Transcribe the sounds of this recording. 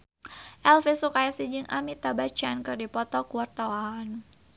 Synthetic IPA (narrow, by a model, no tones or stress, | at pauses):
ʔɛlfisukajasid͡ʒɨŋʔa̰mit̪abat͡ʃankɨrdipɔt̪ɔkuwart̪awaan